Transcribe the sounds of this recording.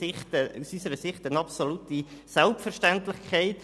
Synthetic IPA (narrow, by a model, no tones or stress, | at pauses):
ɪχtəusysəɾəsɪχtənɑpsolutisɛlpfɛɾʃtæntlɪχkʰaɪt